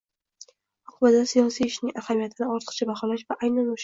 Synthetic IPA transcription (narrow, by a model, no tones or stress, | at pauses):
oqʰʊbad̪asijɒsijɪʃnɪŋahamijat̪ʰɪnɪɒɾt̪ʰə̥qt͡ʃʰabaχɒlaʃvaʔajnanoʃ